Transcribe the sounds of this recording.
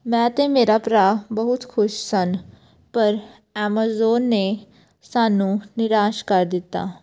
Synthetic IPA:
mɛ̃ːt̪ẽːmeːɾaːpɾaːbəɦʊt̪kʰʊʃsən | pəɾ | ɛːmaːzoːnːeː | saːnũːnɪɾaːʃkəɾd̪ɪt̪ːa̰ː

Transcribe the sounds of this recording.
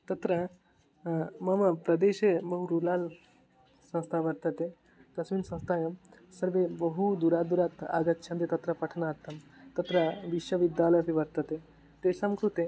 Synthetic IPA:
t̪ɐt̪ɾə | mɐʋapɾɐd̪eɕebəɦuɾulal | sɐ̃w̃st̪ʰaʋɐɾt̪ət̪e | kɐsʋiːnsɐ̃w̃st̪ʰajɐmsəɾʋebəɦud̪uɾad̪uɾat̪a̰ɡət̪t͡ʃʰɐ̃nd̪et̪ɐt̪ɾɐpɐʈʰnaːɾt̪ʰɐmt̪ɐt̪ɾɐʋiʃʋɐʋid̪jaləjpiʋɐɾt̪ət̪e | t̪esɐmkɾut̪e

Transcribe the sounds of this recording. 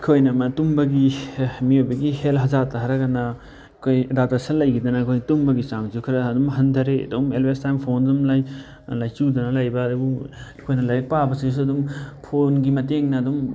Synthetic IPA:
kʰojnɐmɐtumbɐɡimiojbɐɡihelɦɐzatɐɦɐɾɐɡɐnɐ | kʰojdatasɐlɐjkʰid̪ɐnɐkʰojtumbɐɡit͡ʃaŋzukʰiɾɐɐdumɦɐnd̪ʰɐɾeɐ̰dumelbestajmpʰondɐmlaj | lajt͡ʃudɐnɐlɐjbɐdubu | kʰojnɐlɐjɐk̚pabɐsiis̬ɐdumpʰonɡimɐteŋnɐːdum

